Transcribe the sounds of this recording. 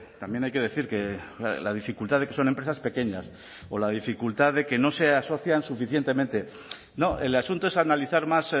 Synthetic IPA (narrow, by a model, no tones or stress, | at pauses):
t̪ambje̞najke̞ðe̞θiɾke̞laðifikult̪aðeke̞so̞nempɾesaspe̞ke̞ɲas | o̞lað̞ifikult̪aðe̞keno̞se̞aso̞θjansufiθje̞nt̪e̞ment̪e̞ | no̞ʔe̞̰lasunt̪oesanaliθaɾmas